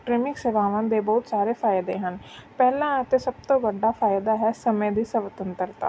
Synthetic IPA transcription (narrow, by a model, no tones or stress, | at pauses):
kɾɪmɪkseʋaːʋãːd̪eːbɔːʊt̪saːɾeːfʰaːɪd̪eːɦənpɛːlãːət̪eːsəb̚t̪õːbəɖaːfʰaːjɪd̪aːɦɛːsəmẽd̪iːsəʋət̪ənt̪əɾt̪a̰ː